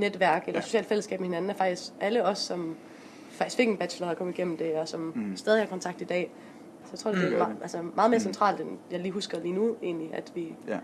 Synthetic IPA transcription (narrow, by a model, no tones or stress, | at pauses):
ned̥ʋæɐɡ̥elʔɐso̝ɕɛ̰ːld̥fel̰əsɡɛ̰ːb̥mehe̝næn̩æɐfɑ̈ɡ̥d̥isɡ̥æləɒ̽sːɒ̽m | fɑ̈ɡ̥isɡfe̝ɡ̥enb̥æ̥ɕlɐɐkʰɒ̽m̩əiɡ̥en̰m̩d̥e̝ɒ̽sɒ̽msd̥ɛð̞ˠihɑ̈kʰɒ̽nt͡sʰɑ̈ɡ̥̚d̥id̥ɛ̰ː | sjt͡sʰʁo̰d̥e̥b̥eʔælsəmɑ̈ːð̩ˠme̝ːɐsent͡sʰʁɑ̰̈ːld̥enjɑ̈ɪliːɦusɡ̥ɐliːnue̝̰ːnliʔæd̥ʋi